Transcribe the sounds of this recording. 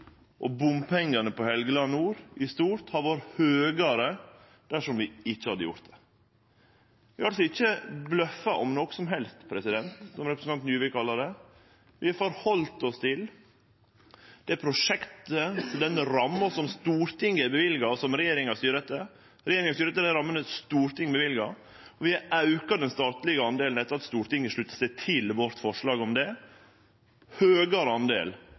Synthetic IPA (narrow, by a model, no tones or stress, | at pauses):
ʔɔbʊmpʰɛŋːənəpɔhɛlɡəlɑnːuːɾʔɪst̪uːɾt̪hɑɾʋoɾhøːɡɑɾə | d̪̥æʂɔmʋɪɪt͡ʃːəhɑd̪əjʊ̰ɾt̪̚d̪ɛ̥ | ʋɪɑɾɑlsɔɪt͡ʃːəblœfːɑʔɔmnɔksɔmɦɛlst̪pʰɾɛsɪd̪ɛnt̪sɔmɾɛpɾsnɑnt̪njʉːʋɪkʰɑlːɑd̪ɛ | ʋɪɑɾfɔɾhɔlt̪ɔst̪ʰɪl | d̪̥ɛpʰɾʊʂɛkt̪əɔd̪ɛnɾɑmːɑsɔmst̪uːɾt̪ɪŋːɛbəʋɪlɡɑsɔmɾɛjeːɾɪŋɑst̪yːɾət̪ə | ɾɛjeːɾɪŋɑst̪yɾəɛt̪əd̪ɛɾɑmːənəst̪uːɾt̪ʰɪŋːbəʋɪlɡɑ | ɔʋɪɑɑʉkɑd̪ɛnst̪ɑːt̪lɪɡəɑnd̪eːln̩ɛt̪ːəɾɑt̪st̪uːɾt̪ɪŋːəʂɭʉt̪ːə̥sɛɪt̪ʰɪlʋɔɾt̪fɔʂɭɑːɡɔmd̪ɛ | høːɡəɾɑnd̪ḛːl